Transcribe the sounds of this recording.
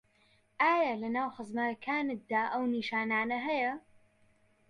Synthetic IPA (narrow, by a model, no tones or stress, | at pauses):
ʔaːjɐlɐnaːwxɨzmɐɾɐkʰaːnɨk̚d̪aːʔɐwniːʃaːnaːnɐɦɐjɐ